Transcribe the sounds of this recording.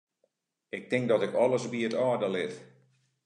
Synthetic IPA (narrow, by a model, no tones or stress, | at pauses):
ɪk̚tɪŋk̚dɔtɪkɔləsbiətɔːdəlɪt